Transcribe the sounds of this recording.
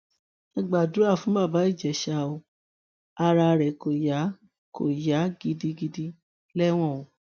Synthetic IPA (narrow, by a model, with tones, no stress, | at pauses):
ɛ˧ɡ͡ba˨du˨˦a˦˨fũ˨˦ba˦˨ba˨˦i˦˨d͡ʒɛ˨ʃa˧o˧ | a˧ɾa˧ɾɛ˨ko˨ja˨˦ | ko˨ja˨˦ɡi˦˧di˧ɡi˧di˧ | lɛ˦w̃ɔ̃˦˨õ˨